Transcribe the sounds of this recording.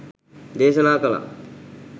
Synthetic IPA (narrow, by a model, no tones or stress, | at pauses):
d̪eːsɐnaːkɐla̰